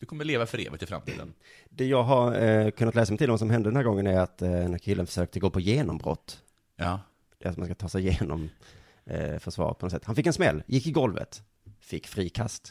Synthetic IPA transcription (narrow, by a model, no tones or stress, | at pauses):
d̪̥ɵkʰɔmːəɭeːvafœɾḛːvət̪ɪfɾa̰mt̪ʰḭːd̪ə̰n | d̪ɛjɑːɡɦaɾkʰɵnːt̪lɛːsamɛjt̪ʰɪlɔmvas̬ɔmɦɛnd̪əd̪ɛnhæːɡɔŋːənæɾat̪d̪ɛnæːɾkʰɪlːənfœ̥ʂøːk̚t̪əɡoːpʰɔjeːnɔmbɾɔ̰t̪ː | d̪̥ɛat̪̚manskat̪ʰɑːsɛɪjeːnɔ̰m | fœʂvɑ̰ːɾpʰɔnɔsɛt̪ːhanfɪkːɛnsmɛlːjʔɪkːɪɡɔlvə̰t̪ | fɪkːfɾiːkʰast̪